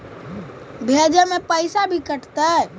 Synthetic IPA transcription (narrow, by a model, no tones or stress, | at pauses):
bʱed͡ʒəmepəɪsabʱikəʈt̪ə